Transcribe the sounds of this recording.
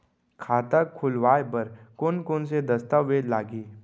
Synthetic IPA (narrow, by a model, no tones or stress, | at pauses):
kʰaːt̪akʰʊlʋaːjbɐɾkoːnkoːnsed̪ɐst̪aʋːeːd̪laːɡiː